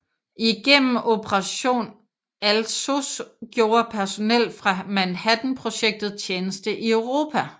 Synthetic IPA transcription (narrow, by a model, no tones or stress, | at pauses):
ʔiɡ̥en̰m̩ʔo̝pʰəʁɑɕo̝̰ːn | ælsosɡ̥jo̝ːɐpʰæɐso̝nel̰̥fʁɑ̈mænhæd̥n̩pʰʁo̝ɕeɡ̥̚d̥ð̞̩ˠt͡ɕʰeːnəsd̥əʔiœʊʁo̝ːpʰæ